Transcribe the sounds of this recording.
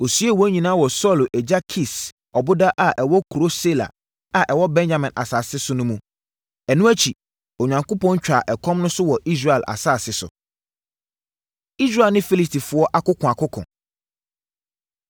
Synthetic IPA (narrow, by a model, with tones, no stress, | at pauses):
o˨sɥɛ˦˨wɔ˨˦ɲĩ˨nãː˦wɔ˨sɔ˦˨lʔɛ˨d͡ʑa˦kʰi˨s | ɔ˨bʊ˦da˦ʔa˨ʔɛ˨wɔ˦kʰu˨ɾo˦se˦la̰˨ | a˨ʔɛ˨wɔ˦bɛ̃˦nd͡ʑa˨mɛ̃˨nʔa̰˨saː˨sɪ˦sʊ˦nʊ̃˦mũ˦ | ɛ˨nũ˦æ˦t͡ɕʰi˨ | o˨ɲã˨ŋkʊ˦pɔ̃˦ɲ˦t͡ɕᶣa˨ʔɛ˨kʰɔ̃˦mnʊ̃˦sʊ˦wɔ˨ʔi˦s̬ɾe˨ɛ˨lʔa̰˨saː˦˨sɪ˦sʊ̰˨ | i˦sɾa˦˨lnɪ̃˦fi˦li˦sti˨fʊ˨˦ɔ˦ʔa˦kʊ˦kʰɔ̃˨a˨kʰʊ˦kʰɔ̰̃˨